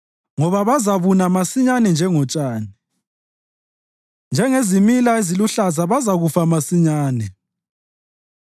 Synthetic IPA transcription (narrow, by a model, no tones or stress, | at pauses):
ŋɔβaβazaβunamasiɲanɛnd͡ʒʱɛŋɔt͡ʃʼaːni | nd͡ʒʱɛŋezimilaeziluɬazaβazaɣufamasiɲaːnɛ